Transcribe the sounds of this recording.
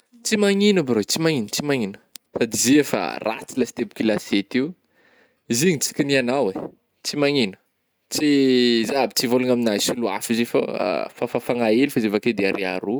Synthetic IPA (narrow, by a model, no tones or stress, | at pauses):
t͡simaŋinəbaɾot͡simaŋinət͡simaŋinə̥sad̪iziefa̰ra̰t͡silasi̥t̪ebu̥kilaset̪iw | iziɲit͡si̥kʲinianawe | t͡simaŋinə̥ | t͡sizabit͡sivoluŋaminajsulua̰fizefa̰fafafaŋaelifazevaked̪eaɾʔiaɾu